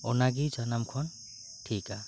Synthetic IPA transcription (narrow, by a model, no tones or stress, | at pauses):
ɔnaɡit͡ʃanamkʰɔn | ʈʰika